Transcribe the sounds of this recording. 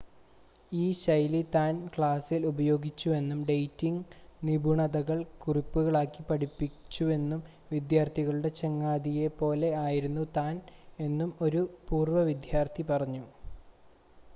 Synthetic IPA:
iːɕɐjlit̪aːnkɭaːsilubɐjo̞ːɡit͡ɕːue̞nːumɖejtːiŋɡnibʱuɳɐðɐɣɐɭkuripːuɣɐɭaːkːipɐʈipːit͡ɕːue̞nːum | ʋid̪jaːrt̪ʰiɣɐɭuɽe̞t͡ɕe̞ŋːaːd̪ijepo̞ːle̞aːjiɾunːut̪aːne̞nːumo̞ɾupuːrʋɐʋid̪jaːrt̪ʰipɐrɐɲːu

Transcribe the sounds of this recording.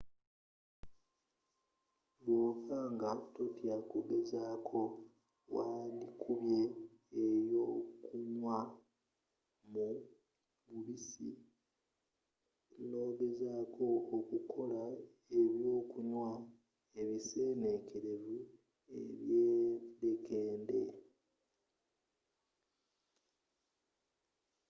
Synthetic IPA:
βwoːfaːŋɡatotjakuɡe̞zaːkʰo̞ | walikʰuβje̞ː | jo̞kuɲwa | mu | βuβisḭ | lo̞ːβezaːkʰo̞ːkukʰo̞la | e̞βjo̞ːkuɲwa | e̞βise̞ːnekʰeɾe̞vu | e̞̰βjeɾekeːnde̞

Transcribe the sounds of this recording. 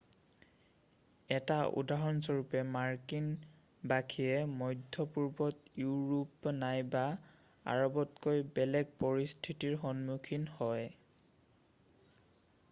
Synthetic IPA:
ɛtaʔṵdaɦɔnsoɹupɛmaɹkin | bakʰiɛmɔjdʱːɔpuɹbɔtjuɹupnajba | a̰ɹɔbɔtkojbɛlɛɡ̚pɔɹistʰitiɹxɔnmukʰinhɔj

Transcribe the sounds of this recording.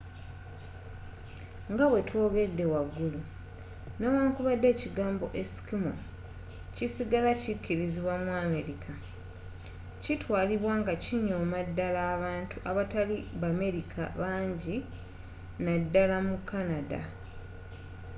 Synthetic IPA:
ŋɡaβwe̞two̞ːɡe̞dːe̞waɡːulu | newaːŋkuβadːe̞ːciɡaːmbo̞̰ʔesi̥kimo̰ | cisiɡalacikːiɾiziβwamwuaːme̞ɾikʰa | citwaːliβwaːŋɡaciɲomadːalaːβaːntʰuʔaβataliβame̞ɾikʰa̰βaːɲɟi | nadːalamukːanada̰

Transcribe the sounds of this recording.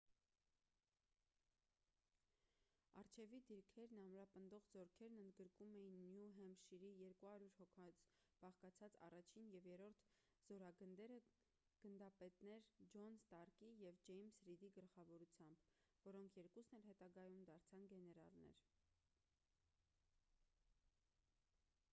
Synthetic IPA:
ɑɾt͡ʃʰɛvid̪iɾkʰɛɾnɑmɾɑpənd̪ɔʁzɔɾkʰɛɾnənd̪ɡəɾkumɛjinːjuɦɛmʃiɾijɛɾkuhɑɾjuɾhɔkʰɑt͡s | b̥ɑχkɑt͡sʰɑt͡sɑ̰rɑt͡ʃʰinjɛvjɛɾɔɾt̪ʰ | z̥ɔɾɑɡənd̪ɛɾə | ɡ̥ənd̪ɑpɛt̪nɛɾd͡ʒɔnst̪ɑɾkijɛvd͡ʒɛjmsɾid̪iɡəlχɑvɔɾut͡sʰjɑmbvɔɾɔŋkʰjɛɾkusnɛlɦɛt̪ɑɡɑjumd̪ɑɾt͡sʰɑnɡɛnɛɾɑ̰lnɛ̰ɾ

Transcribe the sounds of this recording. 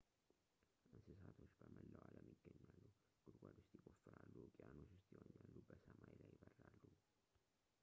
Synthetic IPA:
ʔɨnsɨs̬at̪ʰo̞t͡ʃːbəməlːəwaləmjiɡːəɲːalːu | ɡ̥ʊɾɡʷad̪ost̪jɪkʼofːɨɾalːukʼɪano̞t͡ʃːwʊst̪ʰjwoɲːalːubəsəmajlajɪbərːalːu

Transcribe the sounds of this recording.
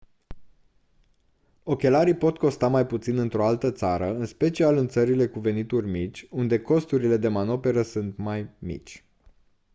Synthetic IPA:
o̞kʲe̞laɾijpo̞t̪ko̞st̪amajput̪sinɨnt̪ɾo̞alt̪ət̪saɾəɨnspe̞t͡ʃialɨnt̪səɾile̞kuve̞nit̪urʲmit͡ʃʲund̪e̞ko̞st̪uɾile̞d̪e̞mano̞pe̞ɾəsunt̪majmḭt͡ʃʲ

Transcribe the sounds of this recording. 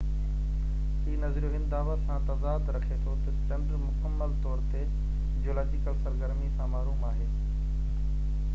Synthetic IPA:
ɦiːnɐzɾijoɦɪ̃nd̪aːʋəsãt̪ɐzaːd̪ɾɐkʰet̪ʰot̪ɐd͡ʑɐ̃ɳɖɾmʊkəmːəlt̪ɔːɾt̪e | d͡ʑoːlaːd͡ʑɪkəlsɐɾɡəɾmisãmaːɾuːmaːɦeː

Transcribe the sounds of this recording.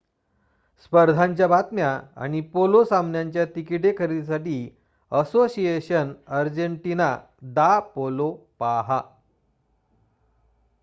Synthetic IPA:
spəɾd̪ʱaɲt͡ɕjabʱat̪mjaa̰ɽ̃ipolosamnjaɲt͡ɕjat̪ikiʈekʰəɾisaʈiː | əsoɕieɕənəɾd͡ʑəɳʈina | d̪apolopaɦa

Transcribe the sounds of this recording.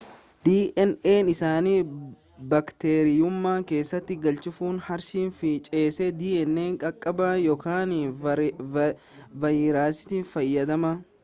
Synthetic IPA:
d̪̥iːʔɛneːnɪsaːniː | bɐkt̪eːɾɪjʊmːaːke̞ːsːɐt̪ːɪɡɐlt͡ʃɪfuːnhɐɾʃiːnfɪt͡ʃʼeːsɛd̪iːɛnːe̞ːŋkʼɐkʼːɐbaːjɔkaːn | vɐjɪːɾaːsɪ̥t̪iːnfɐjːɐd̪ɐmɐ

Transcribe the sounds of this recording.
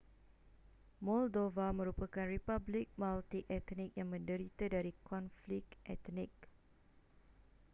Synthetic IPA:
mɔldovamə̃ɾupakanɹipablik̚malt̪ikɛt̪nik̚jãŋmə̃ndəɾit̪ədaɾikʰɔ̃nflikʔɛ̰t̪nik̚

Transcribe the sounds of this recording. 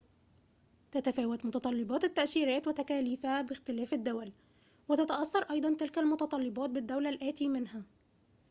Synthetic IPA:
t̪æt̪æfæːwat̪mʊt̪ɑt̪ˤɑlːɪbɑːt̪ɪt̪ːæʔsiːɾæːt̪wɪt̪ækæːliːfæbɪxt̪ɪlæːfad̪ːʊwæl | wɪt̪æt̪aʔɑsːɑɾˤʔɑjd̪ˤɑnt̪ɪlkælmʊt̪ɑt̪ˤɑlːɪbɑːt̪̚bɪd̪ːawlælʔæːt̪iːmɪnɦæ

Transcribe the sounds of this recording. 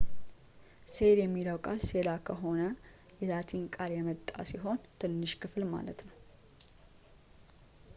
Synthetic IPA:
se̞ljɛmːiləwkʼalse̞lakʰəɦo̞nəjɛzat̪ʰinkʼaljɛmət̪ʼːa̰siɦo̞nt̪ʰɨnːɨʃkʰɨflma̰lət̪nəw

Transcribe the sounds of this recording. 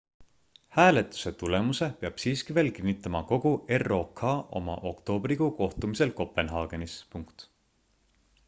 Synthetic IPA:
hæːle̞t̪ːˑu̥se̞t̪ule̞muse̞peɑb̥siːskive̞ːlkinːit̪ːˑɑmɑko̞ɡ̥ue̞ro̞ːkʰɑːʔo̞̰mɑ̰ʔo̞kt̪o̞ːbriɡuko̞ht̪umise̞lko̞pˑe̞nɦɑːɡ̥e̞nispuŋkt̪

